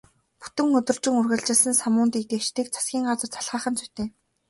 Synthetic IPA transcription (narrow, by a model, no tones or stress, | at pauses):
pu̥t̪ɘ̆ŋɵt̪ɵ̆r̥t͡ɕɪ̆ŋurɣɘ̆ɮt͡ɕɪ̆ɮsə̆nsamʊːnt̪iːk̚t̪eːt͡ɕt̪iːk̚t͡sʰḁsɡʲiːŋɢat͡sə̆rt͡sʰḁɮʁaːχə̆nt͡sʰu̥t̪eː